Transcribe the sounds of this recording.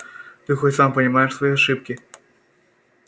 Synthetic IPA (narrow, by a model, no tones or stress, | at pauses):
t̪ɨxotʲsampɐnʲɪmajɛʂsvɐjiɐʂɨpkʲi